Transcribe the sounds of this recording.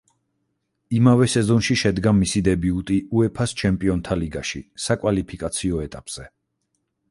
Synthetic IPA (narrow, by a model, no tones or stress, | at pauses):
imavɛsɛzɔnʃiʃɛd̪ɡamisid̪ɛbiut̪ʼiuɛpʰast͡ʃʰɛmpʼiɔnt̪ʰaliɡaʃḭsakʼwalipʰikʼat̪sʰiɔɛt̪ʼapʼz̥ɛ